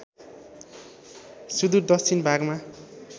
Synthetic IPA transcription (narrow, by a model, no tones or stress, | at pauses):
sud̪urd̪ʌst͡sʰinbʱaɡma